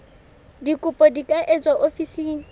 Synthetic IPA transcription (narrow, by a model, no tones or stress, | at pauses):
dikʼʊpʼɔdikʼaʔɛt͡swaʔofisiːni